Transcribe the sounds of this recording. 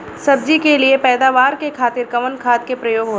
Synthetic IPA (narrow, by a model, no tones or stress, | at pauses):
sɐb̚d͡ʒikeliepɛːd̪aːʋaːɾkekʰaːt̪ɪɾkɐʋənkʰaːt̪kepɾɐjoːɡɦoː